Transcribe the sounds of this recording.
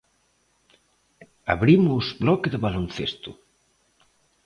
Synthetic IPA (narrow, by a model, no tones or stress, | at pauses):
a̰βɾimʊzblɔkɪðɪβalonθest̪ʊ